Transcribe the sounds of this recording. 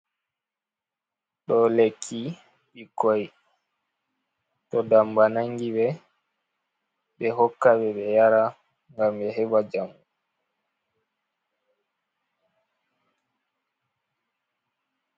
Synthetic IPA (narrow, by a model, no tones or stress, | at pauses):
ɗɔlekʰːi | ɓikɔj | tɔdambanaŋɡiɓɛ | ɓɛɦɔkːaɓɛɓɛjaɾa | ŋɡamɓɛɦɛbad͡ʒamu